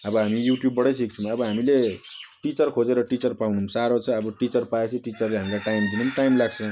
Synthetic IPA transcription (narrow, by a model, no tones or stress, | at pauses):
ʌbʌɦamijuʈjubːʌɽʌjsik̚t͡sʰmʌbʌɦamileʈit͡sʌrkʰod͡zeɾʌʈit͡sʌrpawnumsaɾot͡sʰʌːbʌʈit͡sʌrpaet͡sʰiʈit͡sʌrleɦamiɾaʈajmd̪inumʈajmlaɡt͡sʰʌ̃